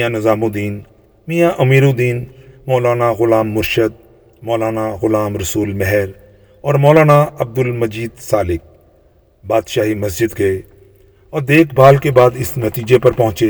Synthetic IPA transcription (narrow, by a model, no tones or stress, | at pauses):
anɐzaːmõd̪iːn | miːjaʔɐmiːɾod̪iːnmɔːlaːnaɣʊlaːmːʊɾʃəd̪̚ | mɔːlaːnaɣʊlaːmɾɐsuːlmɛɦɛɾ | ɔːɾmɔːlaːnaɐb̚d̪ʊlmɐd͡ʒiːd̪saːlɪk̚ | baːd̪ʃaːɦimɐs̬d͡ʒɪd̪ɡɐe | ɔːɾd̪eːkʰbʱaːlkebaːd̪ɪsnɐt̪iːd͡ʒepɐɾpɐɦʊ̃t͡ʃe